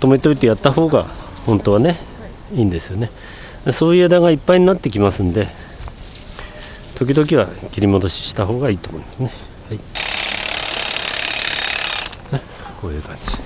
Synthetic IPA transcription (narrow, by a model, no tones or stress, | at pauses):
t̪o̞meit̪o̞it̪e̞jat̪ːaho̞ːɡa̰hõ̞nt̪o̞βane̞ | iːnd̪e̞sɨjo̞ne̞ | so̞ːied̪aɡaipːaiɲ̟inat̪ːe̞kʲimasɨ̃nd̪e̞ | t̪o̞k̬ʲid̪o̞kʲiβakʲiɾʲimo̞d̪o̞ɕi̥ɕi̥t̪aɦo̞ːɡaiːt̪oːmo̞ĩ̟mḁsɨne | hai | ko̞ːjɯ̟̰ːkãɲd͡ʑi̥